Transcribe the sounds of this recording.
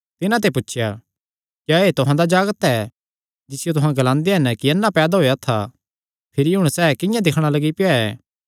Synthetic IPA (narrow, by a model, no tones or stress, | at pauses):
t̪ɪnãt̪̬ep̬ʊtːʃʰja | kjaːeːt̪ʊɦãd̪ad͡ʒaːɡət̪ɛ | d͡ʒɪsɪjot̪ʊɦãɡɐlãːnd̪eɦɐnkiɐnːapɛːd̪aɦoːjat̪ʰa̰ | pʰɪɾiɦʊ̃ɽ̃sɛːkɪ̃jãd̪ɪkʰɽ̃alɐɡipɪjaɛ̰ː